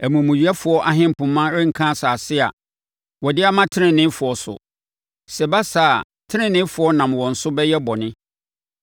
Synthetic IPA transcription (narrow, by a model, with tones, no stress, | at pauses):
æ˨mũ˨mũ˨ɥi˨˦a˦fʊ˨˦ɔ˦ʔa˨ɦɪ̃˦m˨pʰʊ̃˨mːã˦ɾɪ̃˦ŋ̩˨kʰã˦saː˨sɪ˦a̰˨ | wɔ˨dɪ˦a˦mã˦tʰɪ˦nɪ̃˨nɪ̃˦fʊ˨ɔ˨sʊ̰˨ | sɛ˨ba˦saː˨ | tʰɪ˦nɪ̃˦nɪ̃˦fʊ˨ɔ˦nã˨mwɔ̃˨n̩˨sʊ˦bɛ˦jɛ˦bɔ˨nɪ̃˦